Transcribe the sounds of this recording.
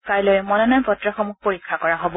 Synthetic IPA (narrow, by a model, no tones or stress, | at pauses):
kajlojmɔnɔnapɔtɹɔxɔmuxpoɹikʰːakɔɹaɦobɔ